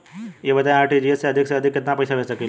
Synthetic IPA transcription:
jebət̪aj̃aːɾʈid͡ʑieseəd̪ʱikseəd̪ʱikːɪt̪napəjsaʋesəki

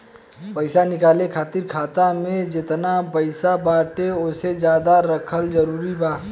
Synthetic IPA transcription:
pəɪsanɪkaːlekʰaːt̪iɾkʰaːt̪amẽd͡ʒɪt̪napɐɪsabaːʈeʊsed͡ʒjaːd̪aɾɐkʰəld͡ʒɐɾuːɾibaː

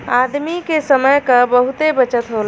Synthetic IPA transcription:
ad̪mikesəməjkəbəɦut̪ebət͡ʃət̪ɦol

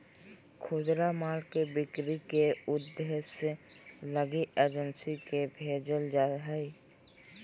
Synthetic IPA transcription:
kʰoːd̪ɾamaːlkebɪkɾikeʊd̪se | ləɡiʔeːd͡ʒənsikebʱeːd͡ʒəld͡ʒaɦɛi

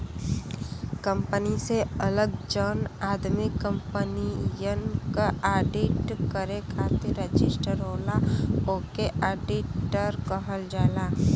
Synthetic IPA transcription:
kə̃mpəniseələɡ̚d͡ʒənaːd̪mɪkːə̃mpənijənkaaːɖɪʈkəɾekʰaːt̪iɾəd͡ʒɪsʈəɾoːlaoːkeʔaːɖɪʈːəɾkəɦəld͡ʒaːlaː

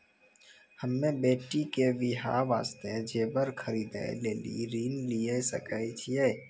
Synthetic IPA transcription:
həmːẽbeːʈikeʋɪɦa̰ːʋa̰ːst̪ed͡ʒeːbəɾkʰəɾiːd̪ḛleːlḭɾiːnliesə̰kəit͡ʃʰieː

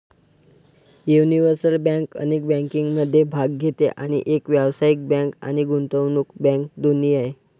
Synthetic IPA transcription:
juniʋəɾsəlbãŋkə̰nek̚bɛ̃ŋkĩŋɡməd̪ʱːjebʱaɡɡʱet̪ḛʔaɽ̃ḭʔekʋjaʋsaik̚bãŋka̰ɽ̃iɡʱunt̪əʋnuːkbɛ̃ŋk̚d̪uniːaɦe

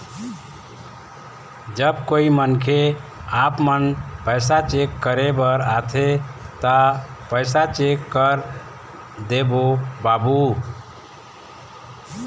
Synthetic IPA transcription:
d͡ʒəbkoimənkʰeapmənpəjsat͡ʃekːəɾebəɾat̪ʰet̪əpəjsat͡ʃekːəɾ | d̪ebobabu

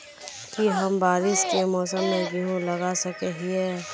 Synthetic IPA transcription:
kiɦɐmbaːɾɪʃkemɔːsəmːẽɡiɦũlɐɡasɐkeɦiɦɛː

